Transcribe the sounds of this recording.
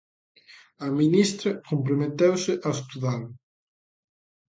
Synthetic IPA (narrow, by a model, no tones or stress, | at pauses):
aminist̪ɾɐkompɾomet̪ewsɪʔaest̪uðal